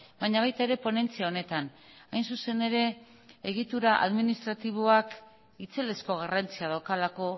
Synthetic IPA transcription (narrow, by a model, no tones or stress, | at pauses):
baɲaβ̞ajt̪ae̞ɾe̞po̞ne̞nt͡siao̞ne̞t̪an | ajnsuse̞ne̞ɾe̞ | eɣ̞it̪uɾaʔa̰ðminist̪ɾat̪iβ̞oak | it͡se̞le̞sko̞ɣ̞arant͡siaðawkalako̞